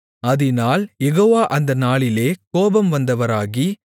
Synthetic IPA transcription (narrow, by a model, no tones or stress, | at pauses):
ɐðɪnaːljɛɣoːʋaːʔɐnd̪ɐnaːɭɪleːkoːbɐmʋɐnd̪ɐʋɐɾaːɣi